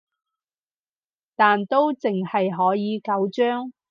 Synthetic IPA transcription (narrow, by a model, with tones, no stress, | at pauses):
t̪aː˨nt̪o˥wt͡sɪ˨ŋhɐ˨jɦɔː˨˥jiː˨˧kɐ˨˥wt͡ʃœː˥ŋ